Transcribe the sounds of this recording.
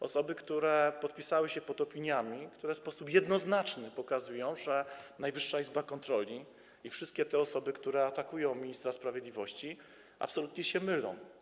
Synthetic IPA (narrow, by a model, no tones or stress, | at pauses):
ɔ̰sɔbɘkt̪uɾɛpɔt̪̚pʲisawɘɕɛpɔt̪ɔpʲiɲamʲikt̪uɾɛfspɔsupjɛd̪nɔznat͡ʂnɘpɔkazujɔ̃w̃ʐɛnajvɘʂːaizbakɔnt̪ɾɔlʲi | ifʂɘst̪̚kʲɛt̪ɛɔsɔbɘkt̪uɾɛat̪akujɔ̃w̃mʲiɲist̪ɾaspɾavʲjɛd̪lʲivɔɕt͡ɕi | ʔa̰psɔlut̪ɲɛɕɛmɘlɔ̰̃w̃